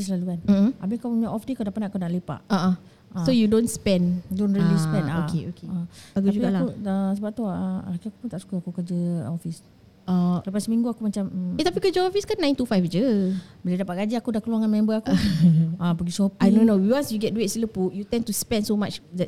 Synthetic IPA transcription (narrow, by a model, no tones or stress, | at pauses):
islalukan̩ʔabikaɲaʔɔfdekadapaʔnaakunaʔlepa̰ʔaʔa | ʔasojudõnspɛ̃ndonɾilispɛ̃naokeokeaaɡud͡ʒuɡɡakuəsəbap̚t̪uəakaku̥punt̪aʔsu̥kəakukəd͡ʒəɔfis | ʔaləpasmĩŋɡuakumat͡ʃamt̪apikəd͡ʒəɔfiskanːãjnt̪ufajfd͡ʒəbəladapaʔ̚ɡad͡ʒiakudakəluaŋanmɛ̃mbəaku | ãpəɡisopadõnowiwansjuɡɛt̚duet̚siləpuʔjut̪ɛnt̪uspɛnsomat͡ʃdɛt̚